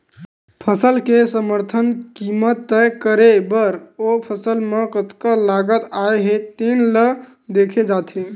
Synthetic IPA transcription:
pʰəsəlkesəməɾt̪ʰənkimət̪ːɛjkəɾebəɾopʰəsəlmekət̪kəlaɡət̪aeɦet̪enlə | d̪ekʰed͡ʒat̪ɦe

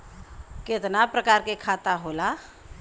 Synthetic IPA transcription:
ket̪napɾəkaːɾkekʰat̪aɦola

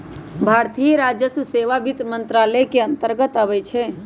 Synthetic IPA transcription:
bʱaɾt̪ijɾad͡ʒjəsuseʋabʱit̪mənt̪ɾalɛkeənt̪əɾɡət̪əʋɛt͡ʃʰe

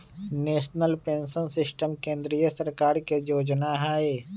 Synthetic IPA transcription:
neːʃnəlpẽːnsənsɪsʈəmkẽːnd̪ɾijəsəɾkaːɾkejoːd͡ʒnaɦae

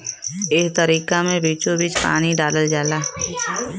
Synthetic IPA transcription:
ɪːkt̪əɾiːkamẽbiːt͡ʃõbit͡ʃpa̰ːñiɖaːləld͡ʒaːlaː

